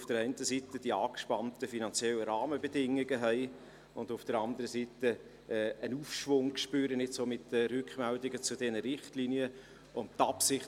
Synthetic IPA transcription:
fd̥əɾɛɪntəsitəd̥iɑːkʃpɑntəfinɑnt͡sjɛləɾɑːməbədɪŋːɪɡəɦɛɪ | ʊndʊfd̥əɾɑnd̪əɾəsitə | ʔɛːənuːfʃvʊŋkʃpyːɾənɪtsoːmɪtəɾʉkχmɛldɪɡət͡sʊdɛnəɾɪχtliniə | ʊn̚tɑpsɪχ

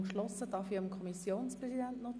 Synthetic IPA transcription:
kʃlɔsəd̥ɑfiəmkʰɔmisjoːnspʁɛsidɛntnɔ

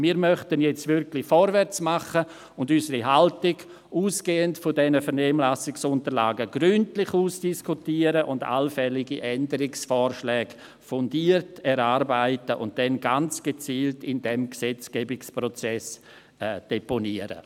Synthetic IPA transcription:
miːɾmœχtənjɛt͡stvɪɾkʰlɪfɔɾvɛɾt͡smaχə | ʊndysəɾiɦaltɪɡ | uːsɡ̥eːəntfɔdɛnəfɛɾnɛːmlasɪksʊntəɾla̰ːɡəɡɾyntlɪχuːsd̥iskʰutiəɾəʔʊnda̰lfɛlɪɡiʔɛndəɾɪksfɔːɾʃlɛːɡ | fɔndiːərtɛɾaːɾbaɪtəʔʊ̰nt̚d̥ɛnɡant͡sɡ̥et͡siːltɪndɛmksɛt͡sɡ̥ɛːbɪkspɾɔt͡sɛs | ɛːd̥eponiəɾə̰

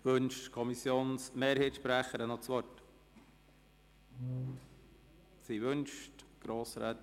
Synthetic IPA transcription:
ʋɵnʃtkʰɔmisjoːnsmeːɾheːtʃpɾæχəɾənɔt͡sʋɔrt | siʋønʃtɡ̥ɾoːsɾɛ̰ːt

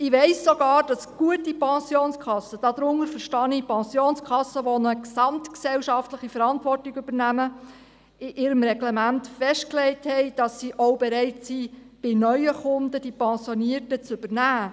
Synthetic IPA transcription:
ɪʋɛɪsːoɡ̥ɑːɾd̥ɑsɡ̥uətipɑ̃sjoːnskʰɑsːəd̥ɑd̥̪ɾʊŋəɾfəɾʃtɑnipɑ̃sjoːnskʰɑsːəʋonəksɑmt̪ksɛwʃɑftləχifəɾɑntʋɔrtiɡʉb̥əɾnæmə | ɪʔɪɾəmɾɛɡlemæntfɛʃtklɛɪthɛɪd̥ɑsːiʔoʊbeɾɛɪtsi | b̥ɪnœʏəχʊndəd̥ipɑ̃sjoniərtət͡sʏb̥əɾnæː

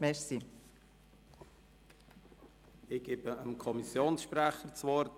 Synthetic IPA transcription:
mɛʃsi | ɪɡ̥ebəəmkʰɔmisjoːnsʃpɾæχət͡svɔɾt

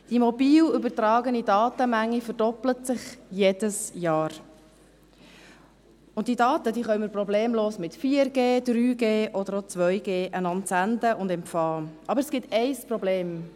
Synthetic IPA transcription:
d̥imɔbiːlʏbəɾtɾɑːɡənidɑːt̪əmæŋːifəɾdɔplətsɪχjeːd̥əsjɑːɾ | ʊnt̚d̥idɑːt̪ədiːχœʏməɾprɔbleːmloːsmɪtfiːəɾɡeːd̪̥ɾyːɡeːʔɔdəɾot͡sʋœʏɡeːʔənɑntsændəʔʊndɛmfɑːʔɑbəɾɛsɡ̥ɪtɛɪsprɔbleːm

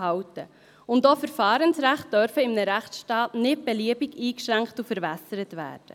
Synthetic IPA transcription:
ɑwtə | ʊndoːfəɾfɑːɾənsɾæχt̚d̥œɾfəɪmnəɾæχtsʃtɑːtnɪt̚b̥eliəbiɡiːkʃɾæŋkχtufəɾvɛsəɾətʋæ̰ːɾd̥ə

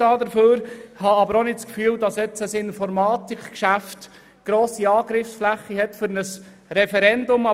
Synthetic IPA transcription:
ɑːd̪əɾføːɾhɑɑbəɾonɪtskfyːldɑsɛt͡səsɪnfɔɾmɑːtɪkkʃæft | ɡ̥ɾoːsiɑːɡɾɪfsflæχːiɦɛtfɵɾnəs | ɾɛfɛɾɛndʊmɑ

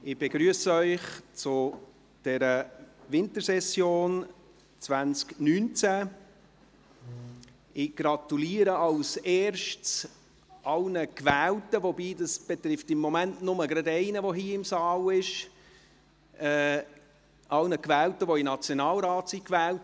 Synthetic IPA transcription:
ɪb̥eɡɾyəsəœʏχt͡sʊ | d̥ɛɾəvɪntəɾsɛsjoːn | t͡svænt͡sknyːnt͡sæ | ɪɡ̥ɾɑt̪uliːəɾəɑlsɛːɾʃts | ʔɑlnəkvæːltəvobiːdɑsb̥et̪ɾɪftɪmːomæntnʊməɡɾɑdɛɪnəvoɦiːɪmsɑːlɪʃ | ʔɛː | ʔɑlnəkvæːltəʋoɪnɑt͡sjonɑːlɾɑːtsikvæːlt

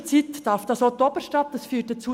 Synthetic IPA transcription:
t͡sit̪d̥ɑɾfd̪̥ɑsot̪ɔbəɾʃtɑt̪əsfyːtət͡suː

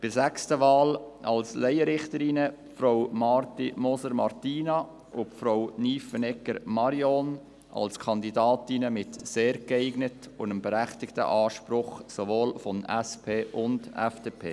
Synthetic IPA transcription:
pɪɾsækstəʋɑːlɑlslɛɪəɾɪχtəɾɪnəpfɾowmɑɾtimɔsəɾmɑɾtiːnɑ | ʔʊpfɾowniːfənɛkːəɾmɑɾjɔn | ʔɑ̰lskʰɑnd̪idɑːtinəmɪtseːɾkɛɪɡnət | ʊnəmbɛɾæχtɪktə̰ʔɑːʃpɾʊχsovoːlfɔnɛspʰeːʔʊnd̥ɛ̰fd̥eːpʰḛː

